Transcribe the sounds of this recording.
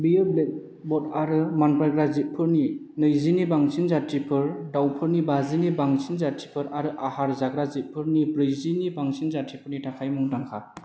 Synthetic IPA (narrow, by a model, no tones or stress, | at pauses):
bijɯblek̚ | bɔt̚aɾɯmanpɾaɡɾazit̚pʰɯɾni | nɯjzinibaŋsʰinzatʰɾipʰɯɾdawpʰɯɾnibazinibaŋsinzatʰipʰɯɾaɾɯʔahaɾzaɡɾazit̚pʰɯɾnibɾɯjzinibaŋsinzatʰɾipʰɯɾnitʰakʰajmɯŋdaŋkʰa